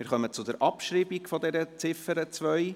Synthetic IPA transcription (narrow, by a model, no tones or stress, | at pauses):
mɪɾχœmət͡sʊd̪ɛɾʔɑpʃɾiːbiɡfɔd̪ɛɾət͡sɪfəɾət͡sʋœj